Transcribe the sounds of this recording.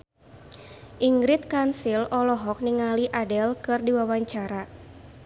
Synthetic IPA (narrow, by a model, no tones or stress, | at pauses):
ʔiŋɡɾit̪̚kansilɔlɔɦɔk̚niŋaliʔadɛlkɨrdiwawaɲt͡ʃaɾa